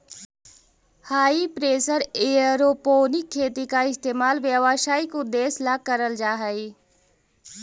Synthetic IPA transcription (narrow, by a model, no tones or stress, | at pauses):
haːipɾeːsəɾeəɾoːpoːnɪkʰːeːt̪ikaɪst̪eːmaːlʋjəʋaʃaːikʊd̪ːeːslakəɾəld͡ʒaːɦəi